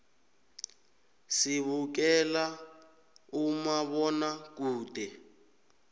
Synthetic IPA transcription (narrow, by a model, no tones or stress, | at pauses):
siβuk̬ɛla | umaβɔnak̬ʼuːtɛ